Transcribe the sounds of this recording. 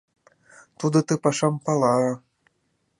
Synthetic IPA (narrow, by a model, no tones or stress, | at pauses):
t̪ud̪ɤ̆t̪ɯpɑʃɑmpɑlˠɑ